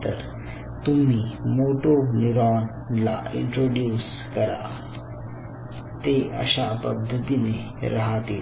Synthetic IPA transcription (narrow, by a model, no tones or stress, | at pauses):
t̪əɾ | t̪um̤iːmoʈoniɾaːn | la̰ḭɳʈɾoɖjuːs | kəɾa̰ | t̪eə̰ɕapəd̪ʱːət̪ine | ɾəɦat̪ḭːl